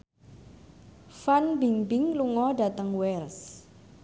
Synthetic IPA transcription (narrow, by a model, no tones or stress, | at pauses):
fanbiŋbɪŋluŋɔɖa̤t̪əŋwɛls